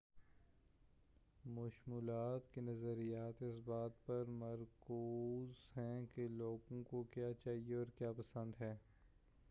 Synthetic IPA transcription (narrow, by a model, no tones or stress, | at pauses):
mʊʃmuːlaːt̪kinɐzəɾijaːt̪ɪsbaːt̪pɐɾmɐɾkuːzɦɛ̃keloːɡõkokjaːt͡ʃaːɦieɔːɾkjaːpɐsə̃nd̪ɦɛː